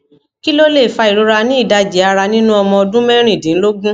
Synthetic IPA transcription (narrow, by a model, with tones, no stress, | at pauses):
ki˦lo˦le˦˨fa˧i˨ɾo˨˧ɾa˧nĩ˦i˦˨da˧d͡ʒi˨˦a˧ɾa˧nĩ˦nũ˦ɔ˧mɔ̃˧ɔ˧dũ˦mɛ˦ɾ̃ĩ˦˨dĩ˨n̩˦lo˦ɡũ˦